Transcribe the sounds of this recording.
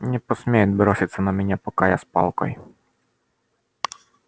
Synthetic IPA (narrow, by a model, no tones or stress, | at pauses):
nʲɛpɔsmʲɛjɛd̪ʲbɾɔsʲɪt̪ʲsːɐnɐmʲɛnʲapɔkajaspɑ̰lˠkɔ̰j